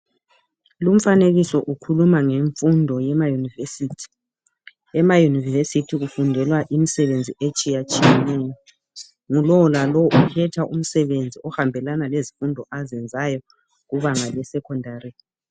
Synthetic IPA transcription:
lum̩faneɣisɔʔukʰulumaŋeɱfundʱɔjɛmajunivesitʰi̥ | ɛmajunivvesitʰiɣufundʱɛlwaʔimisɛβend͡zʱiʔet͡ʃʼijat͡ʃʼijɛnɛːjɔ | ŋulɔlalɔʔukʰɛtʰaʔum̩sɛβend͡zʱiɔhambʱɛlanalezifundʱɔʔazɛnd͡zʱajɔ | ɣuβaŋalɛsɛkʰɔndʱaːri

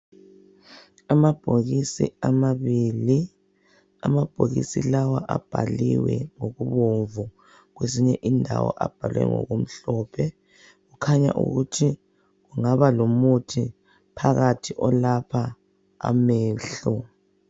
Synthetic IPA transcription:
amab̥ʱoɣisḭamaβiːli | amab̥ʱoɣḭsilawaʔab̥ʱaliwɛŋoɣuβoɱvu | ɣweziɲɛʔindʱawɔʔab̥ʱalwɛ̰ŋɔ̰ɣom̩ɬɔpʰɛ | ɣukʰaɲa̰ʔṵɣutʰi | ɣuŋaβalomutʰi | pʰaɣatʰiʔɔlapʰa | a̰mɛːɬɔ

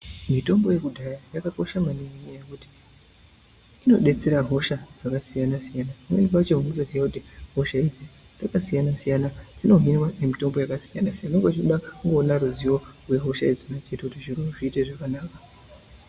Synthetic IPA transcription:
mito̞mbo̞je̞kudʱajajakako̞ʃamaniŋiɲejekuti̥ | ino̞ɗe̞t͡se̞ɾaɦo̞ʃaʐakasijanasijanawenpwat͡ʃomuŋɡusozijakutiɦo̞ʃaid͡zi | d͡zakasijanasijanatino̞ɦinwanemito̞mbo̞jakasijanasijanekwat͡ʃioɗakuŋɡo̞naɾuziwo̞rwe̞ɦo̞ʃaed͡zinat͡ʃe̞tekutiʐirumoʐiːteʐakanaːkḁ

